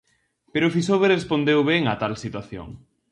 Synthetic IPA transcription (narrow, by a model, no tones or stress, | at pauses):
peɾofisoβerespond̪ewβeŋat̪alsit̪waθjo̰ŋ